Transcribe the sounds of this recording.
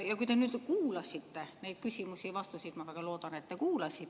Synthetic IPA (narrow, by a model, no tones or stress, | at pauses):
jɑkujt̪e̞nyːd̪̥kuːlɑsʲit̪ːe̞nejd̪̥̚kysʲimusʲivɑst̪usid̪̥mɑvæɡ̥ɑlo̞ːd̪̥ɑne̞t̪ːekuːlɑsʲit̪ː